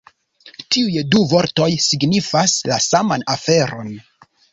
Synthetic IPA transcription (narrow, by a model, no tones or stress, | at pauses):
tiujduvo̞ɾto̞jsiɡnifaslasamanafe̞ɾo̞n